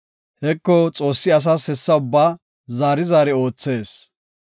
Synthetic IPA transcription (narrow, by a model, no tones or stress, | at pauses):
hɛkːɔt͡sʼo̞ːsːɪɐs̬aːshɛsːɐʊbːaː | zaːɾɪzaːɾɛo̞ːt͡sːe̞ːs